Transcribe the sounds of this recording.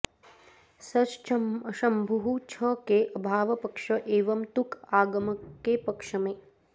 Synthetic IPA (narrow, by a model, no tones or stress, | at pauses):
sɐt͡ʃʃɐmbʱɐɦut͡ʃʰəkeʔɐbʱaːʋɐpɐkʂɐʔeːʋɐmt̪ukaːɡɐməkːepɐkʂɐmeː